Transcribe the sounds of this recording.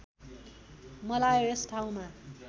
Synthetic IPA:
mʌlajoesʈʰaw̃ma

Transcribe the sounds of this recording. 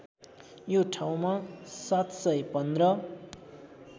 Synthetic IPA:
joʈʰaw̃masat̪sʌjpʌnd̪rʌ

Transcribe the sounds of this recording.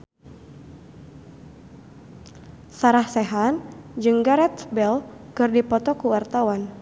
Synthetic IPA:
saɾahsɛɦand͡ʒɨŋɡaɾɛt̪bɛlkɨrdipɔt̪ɔkuwart̪awan

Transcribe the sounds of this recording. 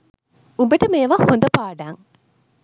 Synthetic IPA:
ubɐʈɐmeːʋahond̪ɐpaːɖaːŋ

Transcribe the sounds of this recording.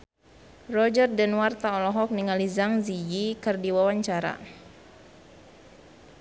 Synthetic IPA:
rɔd͡ʒərdɛnwart̪aɔlɔɦɔk̚niŋalizaŋzid͡ʒikərdiwawaɲt͡ʃaɾa̰

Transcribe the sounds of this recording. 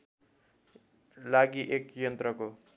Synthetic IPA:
laɡiʔekjʌnt̪rʌko

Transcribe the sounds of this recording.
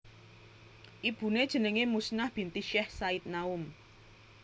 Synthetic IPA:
ʔib̥ṳned̥ʒ̥ə̤nəŋemusnahb̥i̤nt̪iʃɛhsait̪̚naʊm

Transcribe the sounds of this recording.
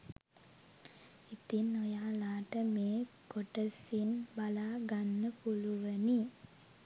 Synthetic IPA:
it̪inojaːlaːʈəmeː | ɡoʈəsinbalaːɡanːəpuluʋəni

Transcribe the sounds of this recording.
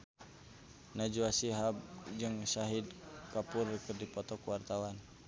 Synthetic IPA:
nad͡ʒuasiɦab̚d͡ʒɨŋsaɦid̪kapʊrkərdipɔt̪ɔkuwart̪awan

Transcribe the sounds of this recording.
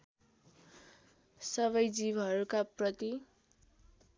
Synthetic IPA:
sʌβʌjd͡zibʱʌɾukaprʌt̪i

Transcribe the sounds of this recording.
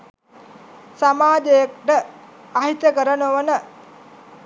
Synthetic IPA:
samaːd͡ʒejək̚ʈəaɦit̪jəkəɾənəʋənə

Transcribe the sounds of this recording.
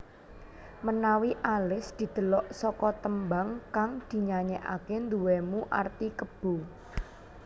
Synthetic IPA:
mənawiʔalɪsd̪̥i̤d̪̥ə̤lɔʔsɔkɔt̪əmbaŋkaŋd̪̥i̤ɲaɲɛʔa̰kend̪uwɛmuʔa̰rt̪ikəb̥o̤

